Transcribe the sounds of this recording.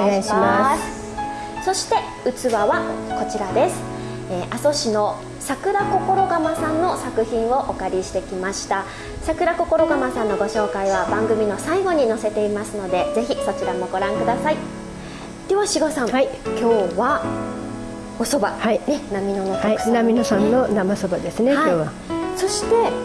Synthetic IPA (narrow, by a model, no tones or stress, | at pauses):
ms | so̞ɕi̥t̪e̞ | ɯ̟t͡sɨβaβako̞t͡ɕiɾad̪e̞sɨ̥ | eːʔaso̞ɕino̞ | sakɯ̟ɾako̞ko̞ɾo̞ɡamasãnːo̞sakɯ̟çĩɰ̃o̞ʔokaɾʲiɕi̥t̪e̞kʲimaɕi̥t̪a | sakɯ̟ɾako̞ko̞ɾo̞ɡamasãnːo̞ɡo̞ɕo̞ːkaiβabãŋɡɯ̟mʲino̞saiɡo̞ɲ̟ino̞se̞t̪e̞imasɨno̞d̪e̞d͡ze̞çiso̞t͡ɕiɾamo̞ɡo̞ɾãŋkɯ̟d̪asai | d̪̥e̞βaɕiɡo̞sãŋ̃kʲo̞ːβa | o̞so̞bahinenamʲino̞nosaknamʲinosãnːonamasobad̪esɨnehaoiːβa | so̞ɕi̥t̪e̞